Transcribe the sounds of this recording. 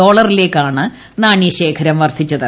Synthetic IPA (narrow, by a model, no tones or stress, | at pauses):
o̞ːɭɐrile̞ːkːaːɳɨ | naːɳijɐɕe̞ːkʰɐɾɐmʋɐrt̪ʰit͡ɕːɐðɨ